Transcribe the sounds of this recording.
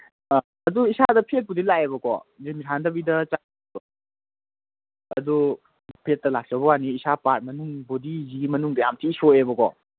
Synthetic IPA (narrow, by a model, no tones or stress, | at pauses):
ɐduisadɐpʰet̚pudilaebɐkɔ̰zimisʰandɐbidɐt͡ʃa | bɐ | ɐ̰du | pʰet̚ːɐlak̚t͡ʃɐbɐwaniːsapaɾ̚mɐnuŋbodiziɡimɐnuŋdɐjamtʰiisoebɐkɔ̰